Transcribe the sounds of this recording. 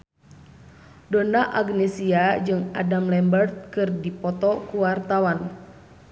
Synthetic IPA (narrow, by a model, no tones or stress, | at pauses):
dɔnaʔaɡnɛsiad͡ʒɨŋadamlɛmbərt̪̚kɨrdipɔt̪ɔkuwart̪awan